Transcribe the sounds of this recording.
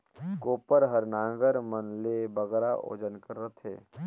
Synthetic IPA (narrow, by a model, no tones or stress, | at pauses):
koːpəɾɦəɾnãːɡəɾmənlebəɡɾaʔo̰ːd͡ʒənkəɾːət̪ʰḛː